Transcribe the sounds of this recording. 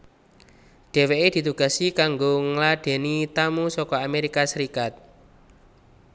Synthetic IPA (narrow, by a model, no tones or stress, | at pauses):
ɖ̥e̤weʔed̪̥i̤t̪uɡ̥a̤sikaŋɡoŋlaɖ̥e̤nit̪amusɔkɔameɾikasəɾikat̪̚